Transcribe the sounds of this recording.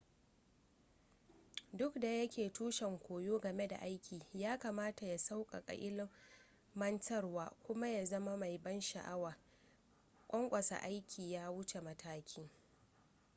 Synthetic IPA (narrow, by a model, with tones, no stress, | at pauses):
dʊ˦kda˨jɐ˦kʲeː˨tuː˦ʃɛ˨ŋkʷoː˨joː˦ɡɐ˨me˦da̰˨ʔa˦jkʲʰiː˨jaː˦kaː˨maː˦ta˨ja˨sa˦wkʼa̰˨kʼɐ̰˨ʔʲɪ˦lː | ɐ˦ntɐ˦rwaː˦kʷʊ˦ma˦ja˨zɐ˦ma˦ma˨jbɐ˦nʃa̰˨ʔa˦waː˨ | kʷʼɔ˦ŋkʷʼɐ˨sa̰˨ʔa˦jkʲʰiː˨jaː˦wʊ˦t͡ʃe˨mɐ˦tʰaː˦kʲʰɪː˦ŋ